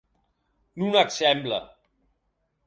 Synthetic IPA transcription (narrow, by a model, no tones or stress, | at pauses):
nunaksɛmblə̰